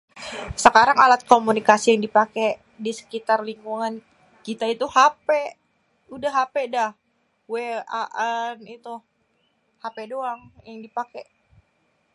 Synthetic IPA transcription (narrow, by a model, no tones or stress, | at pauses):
səkaɾaŋalat̪̚komunikasijaŋdipakɛ | disə̥kit̪arliŋkuŋan | kit̪ait̪uhapɛ | udahɦapedah | wea̰ʔanit̪u | hapedoaŋjaŋdipakɛ